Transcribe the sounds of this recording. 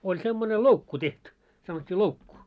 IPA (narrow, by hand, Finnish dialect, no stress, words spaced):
olʲ semːone loukːu tehty sɑnotʲːiː loukːu